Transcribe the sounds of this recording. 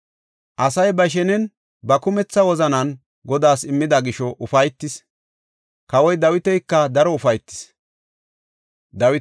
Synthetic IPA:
ʔɐsɐjbɐʃ̬ɛnɛn | bɐkʊmɛt͡sːɐwɔzɐnɐn | ɡɔd̪aːsɪmːɪd̪ɐɡɪʃɔʔʊfɐjt̪ːɪs | kɐwɔjd̪ɐwɪt̪ɛjkːɐd̪ɐɾɔʊfɐjt̪ːɪ̥s | d̪ɐwɪ

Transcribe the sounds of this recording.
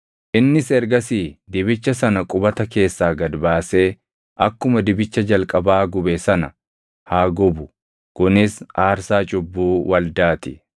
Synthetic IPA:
ʔɪnːɪsɛɾɡɐsiːd̪ɪbɪt͡ʃːɐsɐnɐkʼʊbɐt̪ɐke̞ːsːaːɡɐd̪baːse̞ː | ʔɐkːʊmɐd̪ɪbɪt͡ʃːɐd͡ʒɐlkʼɐbaːɡʊbɛsɐnɐ | haːɡɔbʊ | kʊnɪsʔaːɾsaːt͡ʃʼʊbːuːwɐld̪aːt̪ɪ

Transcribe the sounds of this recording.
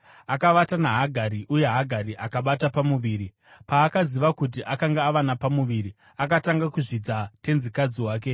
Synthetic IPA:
akaʋatanaɦaɡʱaɾiʔuje̞ɦaɡʱaɾiʔakaɓatapamuʋiːɾi | paːkaziʋakut̬iʔakaŋɡaːʋanapamuʋiɾi | akataŋɡakuʐid͡zate̞nzikad͡ziwaːk̬e̞

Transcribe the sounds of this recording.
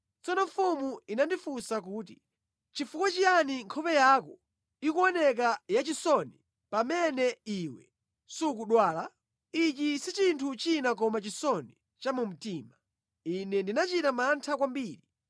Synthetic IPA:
t͡sɔnɔɱfumuinandifusak̬uːt̬i | t͡ʃifukwat͡ʃijaniŋkʰɔpɛjakɔ | ikuɔnɛk̬ajat͡ʃisɔni | pamɛnɛiwɛ̰ | suk̬uɗwaːla | it͡ʃisit͡ʃintʰut͡ʃinak̬ɔmat͡ʃisɔni | t͡ʃamum̩tiːma | inɛndinat͡ʃitamantʰakwambiːɾi

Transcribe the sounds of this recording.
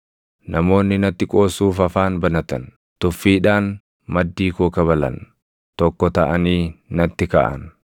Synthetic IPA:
nɐmo̞ːnːɪnɐt̪ːɪkʼo̞ːsːuːfɐfaːnbɐnɐt̪ɐn | t̪ʊfːiːᶑaːn | mɐd̪ːiːkɔːkɐβɐlɐ̰n | t̪ɔkːɔt̪ɐʔɐniːnɐt̪ːɪkɐ̰ʔɐ̰n

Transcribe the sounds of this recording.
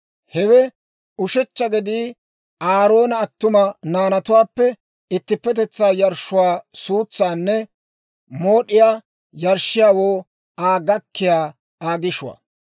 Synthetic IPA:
hɛwɛ | ʊʃɛt͡ʃːɐɡɛd̪iː | aːɾo̞ːnɐːt̪ːʊmɐnaːnɐt̪ʊwaːpːɛ | ɪt̪ːɪpːɛt̪ɛt͡sːaːjɐɾʃʊwaːsuːt͡sːaːnːɛ | mo̞ːɗɪjaː | jɐɾʃɪjaːwoː | ʔaːɡɐkːɪjaː | aːɡɪʃʊwa̰

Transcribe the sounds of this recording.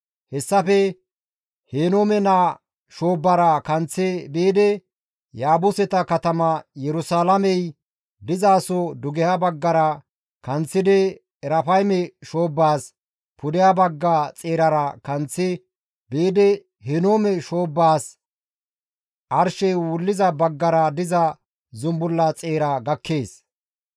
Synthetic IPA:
hɛsːɐfɛ | heːnoːmɛnaː | ʃo̞ːbːɐɾɐkɐnt͡sːɛbeːd̪ɛ | jaːbʊsɛt̪ɐkɐt̪ɐmɐjɛɾʊsaːlɐmɛj | d̪ɪzaːsɔd̪ʊɡɛjabɐɡːɐɾɐ | kɐnt͡sːɪd̪ɛː | ɾɐfɐjmɛʃo̞ːbːaːs | pʊd̪ɪjabɐɡːat͡sʼeːɾɐɾɐkɐnt͡sːɪ | beːd̪ɛ | hɛno̞ːmɛʃo̞ːbːaːs | ʔɐɾʃɛjwʊlːɪzɐbɐɡːɐɾɐd̪ɪzɐ | zʊmbʊlːɐt͡sʼe̞ːɾɐɡɐkːe̞ːs

